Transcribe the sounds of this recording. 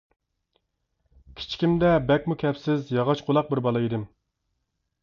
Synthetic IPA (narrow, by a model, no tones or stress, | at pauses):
kʲʰi̥t͡ʃʰkʲimd̪ɛbɛkʲmukʲʰɛpsɪzjɑʁɑt͡ʃqʰolˠɑq̚bɪɾbɑlˠɑid̪ɪm